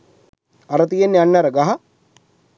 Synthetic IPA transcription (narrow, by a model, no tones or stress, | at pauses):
aɾət̪ijenːeanːaɾəɡaɦa